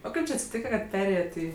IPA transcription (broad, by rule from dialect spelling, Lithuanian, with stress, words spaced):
oː ˈkɐɪp t͡ʃʲɪ ɐtʲsʲɪˈtʲiːkɐ kɐt ˈpʲæːrʲeːjɛtʲ ˈiː